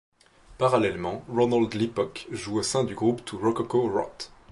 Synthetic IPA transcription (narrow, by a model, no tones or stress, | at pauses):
paʁalɛlmɑ̃ʁɔnald̪lipɔkʒuosɛ̃d̪yɡʁupt̪ʰuʁɔkɔkoʁɔ̰t̪